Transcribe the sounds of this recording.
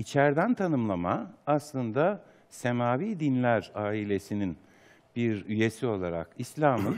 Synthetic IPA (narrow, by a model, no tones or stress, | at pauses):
it͡ʃʰæɾd̪ænt̪ʰanɯmlˠamaːslˠɯnd̪a | se̞maːviːd̪inlʲæɾaːilʲe̞sinin | biɾyje̞sio̞lˠaɾa̰kislʲaːmɯn